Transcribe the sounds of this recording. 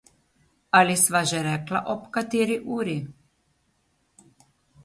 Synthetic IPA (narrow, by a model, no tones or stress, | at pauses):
alisʋaʒɛɾɛklaʔɔpkat̪iːɾiʔuːɾi